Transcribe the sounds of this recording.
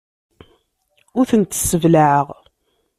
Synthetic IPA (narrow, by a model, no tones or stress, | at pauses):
ʊɾθənt̪ə̥sːəvlaʕəʁ